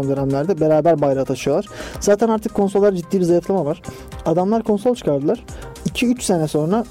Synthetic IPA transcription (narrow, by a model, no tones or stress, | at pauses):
nˠd̪øɾæmlʲæɾd̪ɛbe̞ɾaːbæɾbajɾat̪ʰaʃɯjoaɾ̥zaːt̪ʰænaɾt̪ʰɯkʰːo̞nsolˠːaɾad͡ʒit̪ːiːbizajɯflˠamavaɾ̥ | ad̪amlˠaɾkʰo̞nso̞lʲˠt͡ʃʰɯ̥kʰaɾd̪ɯlˠaɾ̥icʰiyt͡ʃse̞nɛso̞nɾa